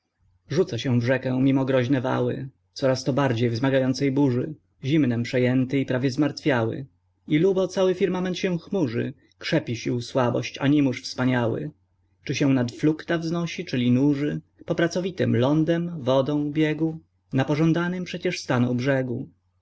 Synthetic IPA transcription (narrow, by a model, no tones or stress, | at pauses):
ʐut̪saɕɛ̃w̃vʐɛkɛ̃w̃mʲimɔɡɾɔʑnɛva̰wɘ̰ | t̪sɔɾast̪ɔbaɾd͡ʑejvzmaɡajɔnt̪sɛjbuʐɘ | ʑimnɛmpʂɛjɛnt̪ɘipɾavʲjɛzmaɾt̪fʲjawɘ̰ | ilubɔt̪sawɘfʲiɾmamɛnt̪ɕɛ̃w̃xmuʐɘ̰ | kʂɛpʲiɕiwswabɔ̰ɕt͡ɕa̰ɲimuʂfspaɲawɘ̰ | t͡ʂɘɕɛw̃nat̪flukt̪avznɔɕit͡ʂɘlʲinuʐɘ | pɔpɾat̪sɔvʲit̪ɘ̰mlɔnd̪ɛmvɔd̪ɔ̃w̃bʲjɛɡu | napɔʐɔ̃nd̪anɘmpʂɛt͡ɕɛʂst̪anɔ̃w̃bʐɛɡu